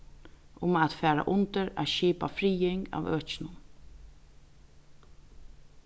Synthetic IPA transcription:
ʔʊmat̪fæːɾa̰ʔʊnt̪əɾa̰ʃiːpa̰fɾiːɪŋɡa̰ːʋøːt͡ʃɪnʊn

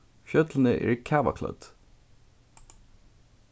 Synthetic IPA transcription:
fjœt̪ln̩əʔæ̰ːɹkʰæːʋa̰kʰlœ̰d̪̥

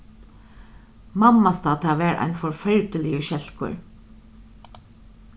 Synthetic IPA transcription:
mɑmɑst̪ɑːt̪ʰɑːʋæːɾʔæ̰ɪnfɔɹfœɹd̪əlɪəʃɛlkʰʊ̰ɹ

